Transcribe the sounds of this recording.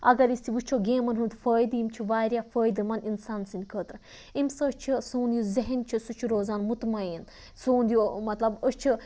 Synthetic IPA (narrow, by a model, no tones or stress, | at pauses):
ɐ̰ɡɐɾist̪ʰiʋut͡ʃʰoɡeːmɐnɦunt̪fəːjd̪imt͡ʃʰiʋaːɾjaːfəːjd̪ɨmɐninsaːnsinʲkʰəːt̪ɾ | imsət͡ʃʰisuːnd̪ʲjuzɐɦint͡ʃʰisut͡ʃʰuɾoːzaːnmut̪main | soːnd̪ijomɐt̪lɐbəst͡ʃʰi